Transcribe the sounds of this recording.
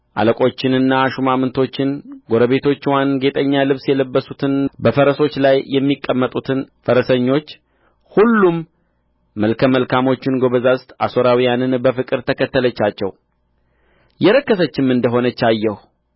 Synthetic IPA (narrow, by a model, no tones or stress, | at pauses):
ʔa̰ləkʼo̞t͡ʃːɪnɨnːaʃumamɨnt̪ʰo̞t͡ʃːɪnɡo̞ɾəβe̞t̪ʰo̞t͡ʃːwanɡe̞t̪ʼəɲːalɨβsjɛləbːəsut̪ʰɨnbəfəɾəso̞t͡ʃːlajːɛmːikʼːəmːət̪ʼut̪ʰɨnfəɾəsəɲːo̞t͡ʃː | hulːumː | əlkʰəməlkamo̞t͡ʃːɪnɡo̞βəzast̪aso̞ɾawijanɨnbəfɨkʼɨɾt̪ʰəkʰət̪ːələt͡ʃːat͡ʃːɛ̰w | jɛɾəkːəsət͡ʃːɪmɨnd̪əɦonət͡ʃːajːɛh